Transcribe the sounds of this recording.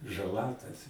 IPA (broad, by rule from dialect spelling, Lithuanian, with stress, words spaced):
ʒɐˈlˠɐ tɐs